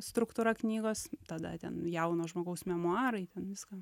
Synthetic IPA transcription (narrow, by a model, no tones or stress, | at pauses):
st̪ɾʊkt̪ʊɾɐknʲiːɡoːst̪ɐd̪ɐ̰t̪ʲɛ̰njɛʊnoːʒmoːɡɐʊsmʲɛmʊɑːɾɐɪt̪ʲɛnʋʲɪskɑː